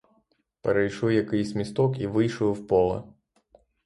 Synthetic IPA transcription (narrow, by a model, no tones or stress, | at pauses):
peɾejʃɔwjɐkɪjsʲmʲist̪ɔkiʋɪjʃɔwwpɔlˠɐ̰